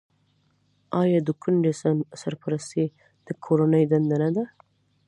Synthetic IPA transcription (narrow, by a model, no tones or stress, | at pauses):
ɑjɑd̪əkʰuɳɖesamsaɾpaɾast̪i | d̪̥əkʰoɾanəjd̪and̪anad̪a